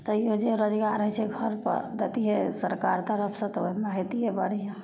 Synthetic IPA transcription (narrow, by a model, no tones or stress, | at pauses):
t̪ɔiod͡ʒeɾəd͡ʒɡaɾəɦɛt͡ʃʰɛɡʱəɾpə̰ɾd̪ət̪iɦesəɾkaɾt̪əɾəpʰsə̃t̪ɔimaɦit̪iɦebəɽiɦẽ